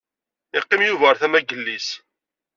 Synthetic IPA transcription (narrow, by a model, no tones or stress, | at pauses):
ɪqːɪmjuvəɾθæmæɡəlːis